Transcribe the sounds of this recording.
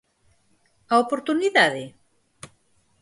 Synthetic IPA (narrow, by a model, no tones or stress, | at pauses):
aopoɾt̪uniðaðe